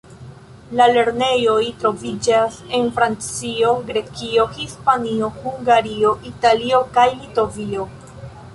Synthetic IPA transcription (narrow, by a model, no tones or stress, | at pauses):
lale̞ɾne̞jo̞jtɾo̞vid͡ʒase̞nfɾant͡sio̞ɡɾe̞kio̞hispanio̞huŋɡaɾioʔitalio̞kajlito̞vio̞